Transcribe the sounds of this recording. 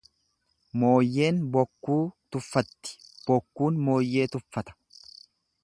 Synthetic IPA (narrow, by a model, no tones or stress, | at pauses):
mo̞ːjːe̞ːnbɔkːuːt̪ʊfːɐt̪ːɪ̥b̥ɔkːuːnmo̞ːjːe̞ːt̪ʊfːɐt̪ɐ̥